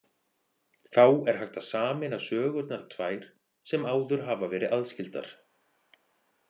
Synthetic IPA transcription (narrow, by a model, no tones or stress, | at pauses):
θawɛɾ̥ɦajxt̪aðsaːmɪnasœːɣʏt̪naɾ̥t̪ʰvaːjɾ̥ | sɛmaːwðʏɾ̥ɦaːvavɛːɾɪʔaðscɪlt̪a̰ɾ̥